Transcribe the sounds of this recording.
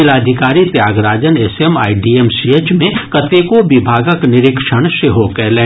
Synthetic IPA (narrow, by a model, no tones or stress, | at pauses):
ɪlaːd̪ʱɪkaːɾit̪jaːɡɾaːd͡ʒənesema̰ːiɖiemsiet͡ʃmẽkɐt̪eːkoʋɪbʱaːɡəknɪɾɪkʃəɽ̃ʃɪɦokɛleː